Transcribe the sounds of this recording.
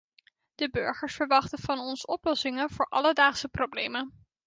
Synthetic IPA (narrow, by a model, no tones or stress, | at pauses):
d̥əbøɹχəɹsfəɹʋɑχtənv̥ɑnɔnsəɔplɔsɪŋənv̥ʊːɹʔɑ̰lədaːχsəprowblejmən